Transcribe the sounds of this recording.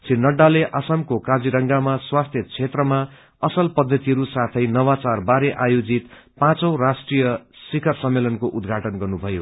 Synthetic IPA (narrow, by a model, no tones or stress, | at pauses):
t͡sinːʌɖːaleʔʌsʌmkokad͡ziɾʌŋɡamaswast̪ʰjʌt͡sʰet̪rʌma | ʌsʌlpʌd̪ʱːʌt̪iɦʌɾusat̪ʰʌjnʌwat͡sarbaɾeʔajod͡zit̪ | pãt͡sʌ̃wrasʈrijʌsikʰʌrsʌmːelʌnkoʔud̪ɡʱaʈʌnɡʌrnubʱʌjo